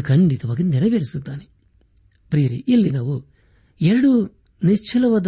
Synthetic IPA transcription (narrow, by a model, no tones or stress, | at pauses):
kʰɐɳɖit̪uʋɐkinnɛɾɐʋeɾisut̪ːaːni | pɾiːɾiʔilːinɐʋu | eɾɐɽu | net͡ʃːilɐʋɐd̪